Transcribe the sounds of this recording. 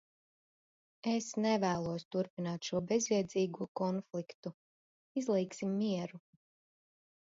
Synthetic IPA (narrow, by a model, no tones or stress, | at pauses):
esnɛvæːlˠuɔst̪uɾpinaːt̪ʃuɔbɛzviɛd̪ziːɡuɔkɔnflˠikt̪u | izlˠɛjksimːiɛɾu